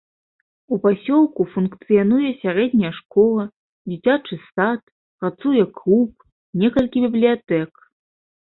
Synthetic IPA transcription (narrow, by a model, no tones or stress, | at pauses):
upasʲɔlˠkufunkt̪sɨjanujɛsʲaɾɛd̪ʲnʲɐjɛʂkɔlˠɐ | d͡zʲit͡sʲat͡ʂɨsat̪ | pɾat̪sujɛklˠup̚ | nʲɛkɐlʲkʲibʲiblʲijat̪ɛk